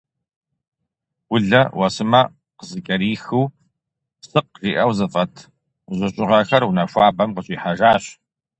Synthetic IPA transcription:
wʊɮɐwʔɐsɨmɐ | qəzɨkʼɐɾiːxɨw | sɨq̚riːʔɐwzɐfʼɐtʰ | ʑʷɨɕʼɪʁɐxɐrwʊnɐfʷaːbɐmqəɕʼiːħaʒaːɕ

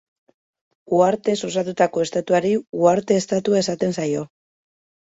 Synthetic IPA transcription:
uaɾt̪e̞sosat̪ut̪ako̞e̞st̪at̪uaɾiuaɾt̪e̞ːst̪at̪uae̞sat̪e̞nsajo̞

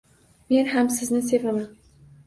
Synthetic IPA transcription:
me̞nhamsɪznɪs̬e̞vaman

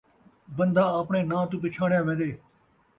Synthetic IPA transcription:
bənd̪aːəːpɳeːnãːt̪ũːp̬ɪt͡ʃʰaːɳjãːmẽːd̪eː

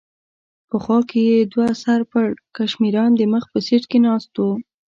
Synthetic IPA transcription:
pəxwɑkejed̪wasaɾpakaʃmiɾɑnd̪əməxpəseʈkenɑst̪o

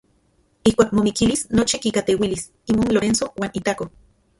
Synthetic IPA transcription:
ihkʷaːk̚momikilisnot͡ʃikikat̪ewilis | imoːnloɾensowaːnit̪ako

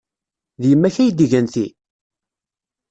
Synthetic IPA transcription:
ðjəmːæçæjd̪iʝænθi

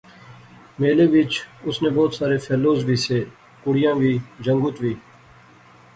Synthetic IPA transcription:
meːleːʋɪt͡ʃʊsnẽːbɔːt̪saːɾeːfʰɛːloːzbʱiːseː | kʊɽijãːʋʱiːd͡ʒə̃ŋɡʊt̪ʋiː

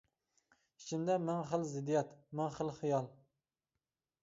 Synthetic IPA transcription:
i̥t͡ʃʰimd̪ɛmæŋχəlzɪd̪ijɛt̪mæŋχəlˠχɨjɑlˠ

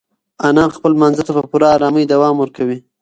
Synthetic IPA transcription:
anɑxpəlmanzat̪apəpuɾɑːɾɑməjd̪awɑmwəɾkawi

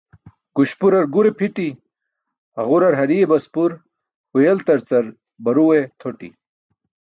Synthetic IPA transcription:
kuɕpuɾɐɾɡuɾepʰiʈi | ɐʁuɾɐɾɦɐɾiebɐspuɾ | hujelt̪ɐɾt͡sɐɾ | bɐɾuwet̪ʰoʈḭ

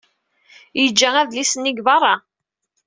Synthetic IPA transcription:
jəd͡ʒːææðlisənːiɡvɑrˤːɑ

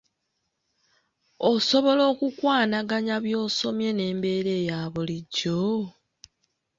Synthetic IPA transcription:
oso̞βo̞lo̞ːkukwaːnaɡaɲaβjo̞ːso̞mje̞ne̞ːmbe̞ɾe̞ːjaːβuliɟo

